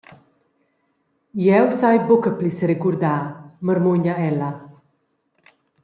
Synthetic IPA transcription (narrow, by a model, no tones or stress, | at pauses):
jewsajbokəplisəɾekuɾd̪aməɾmuɲaɛla